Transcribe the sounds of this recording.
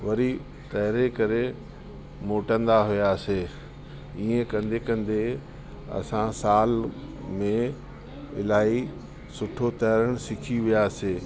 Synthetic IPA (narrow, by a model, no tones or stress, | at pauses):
ʋɐɾi | t̪ɐɦɪɾekɐɾe | moːʈə̃nd̪aɦʊjaseː | iːẽkɐ̃nd̪ʱekɐ̃nd̪e | ɐ̰sãsaːl | mẽ | ɪlaːi | sʊʈʰot̪ɐɦɾəɽ̃sɪkʰiʋijaːseː